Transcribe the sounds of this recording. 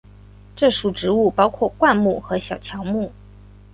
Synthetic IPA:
ʈ͡ʂɤ˥˩ʂu˨˩ʈ͡ʂɻ̩˧˥u˥˩pɑ˥ʊkʰwɔ˥˩kwa˥˧nmu˥˩xɤ˧˥ɕjɑ˨˩ʊt͡ɕʰjɑ˧˥ʊmu˥˩

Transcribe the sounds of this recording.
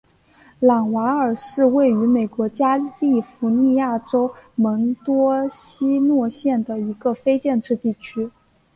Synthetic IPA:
lɑ˨˩ŋwa˧˥ə˞˨˩ʂɻ̩˥˧we˥˩ɪy˧˥me˨˩ɪkwɔ˧˥t͡ɕja˥li˥˩fu˧˥ni˥˧ja˥˩ʈ͡ʂo˥ʊmə˧˥ŋt̪wɔ˥ɕi˥nwɔ˥˧ɕjɛ˥˩nd̪ə˩i˧˥ɡə˧fe˥ɪt͡ɕjɛ˥˧nʈ͡ʂɻ̩˥˧t̪i˥˩t͡ɕʰy˥

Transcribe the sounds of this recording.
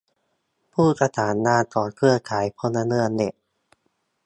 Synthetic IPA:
pʰuː˥˩sa˧t̪ʰaː˩˦nːaː˧t̪ɔː˨˩nkʰɯ˥˩ɐkʰaː˩˦jpʰo˧nːa˧nɯ˥˩ənːe˨˧˩ʔ

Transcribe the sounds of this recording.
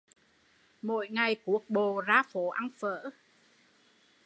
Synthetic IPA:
mo̰˧˨jŋa˨˩jku˨˦ək̚ɓo˨˩zaː˧fo˨˦ʔa˧ŋfə̰ː˧˨

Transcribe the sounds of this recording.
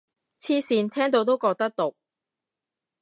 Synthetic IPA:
t͡sʰiː˧siː˨˧nt̪ʰɛː˥ŋt̪o˧˥wt̪o˥wkɔː˧k̚t̪ɐ˥k̚t̪o˨k̚

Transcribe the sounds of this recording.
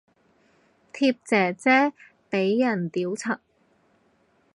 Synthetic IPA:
t̪ʰiː˧p̚t͡sɛː˨˩t͡sɛː˥ | pe˨˥jːɐ˨˩nt̪iː˨˥wt͡sʰɐ˨k̚

